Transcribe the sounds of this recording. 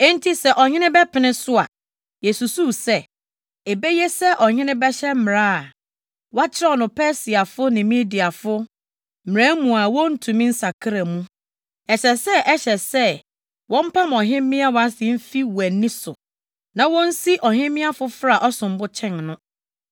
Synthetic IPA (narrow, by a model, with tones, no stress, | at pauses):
ɛ̃˦n̩˦tʰi˦sɛ˨ʔɔ˨ɲɪ̃˦nɪ̃˦bɛ˦pʰɪ˨nɪ̃˦sʊ˦a̰˨ | jɛ˨su˨suː˦˨sɛ˦˨ | e˨be˦jɛ˦sɛ˦ʔɔ˨ɲɪ̃˦nɪ̃˦bɛ˦ɕɛ˦m̩˦m˨ɾã˦a˨ | wa˦t͡ɕʰɪ˦ɾa˦ɔ˨nʊ̃˨pʰɛ˦si˨a˨fʊ˦nɪ̃˨mĩ˦di˨a˨fʊ˦ | m̩˨m˨ɾã˦mũ˨a˨wɔ̃˦n̩˦tʰũ˨mĩ˦n̩˦sa˨kʰa˦ɾa˨mũ˦ | ɛ˨ɕɛ˨sɛ˦ʔɛ˦ɕɛ˨sɛ˦ | wɔ̃˦m̩˦pʰã˦mɔ˨ɦɪ̃˦mː˦ɪ̃˦a˦wa˦sɪ˨m̩˦fi˦wæ˨nːĩ˦sʊ˨ | nã˨wɔ̃˦n̩˦si˦ʔɔ˨hɪ̃˦mmɪ̃˦a˦fʊ˦fɾa˦˨ʔɔ˦sʊ̃˨m˦bʊ˦t͡ɕʰɛ̃˦˨nnʊ̃˦